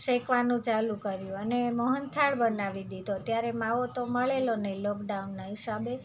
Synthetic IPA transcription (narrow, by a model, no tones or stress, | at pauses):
ʃekʋanũt͡ʃalũkəɾjũəneməɦənt̪ʰaɽbənaʋid̪id̪ʱot̪jaɾemaʋot̪oməɭelonəɦilɔkɖaunːaɦisabe